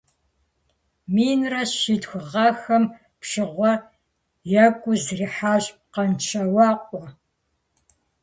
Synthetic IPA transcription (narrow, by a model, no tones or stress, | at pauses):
miːnrɐɕidxʷʊʁɐxɐm | pɕɨʁʷɔ | jɐkʷʼʊzriːħaːʑʼ | qɐnt͡ʃʰɐwɑːqʷʼɔ